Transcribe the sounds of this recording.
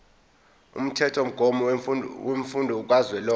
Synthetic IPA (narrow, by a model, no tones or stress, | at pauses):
ṵm̩tʰɛtʰom̩ɡ̥ʱɔmɔweɱfundʱɔuk̬ʼwazwɛlɔ